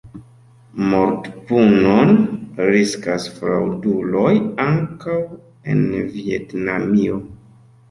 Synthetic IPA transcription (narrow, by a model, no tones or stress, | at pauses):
moɾtpunonɾiskasfɾawdulo̞jaŋkaw | e̞̰nvietnamio